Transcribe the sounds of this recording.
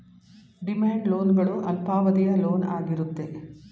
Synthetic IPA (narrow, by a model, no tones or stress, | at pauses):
ɖimaːɳɖloːnɡɐɭuʔɐlpaːʋɐd̪ijɐlo̞ːnaːɡiɾut̪ːe̞